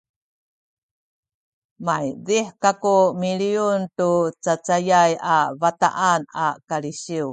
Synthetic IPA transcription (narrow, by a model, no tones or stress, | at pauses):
majdiħkakumiɭiuntut͡sat͡sajajavata̰ʔana̰kaliɕiu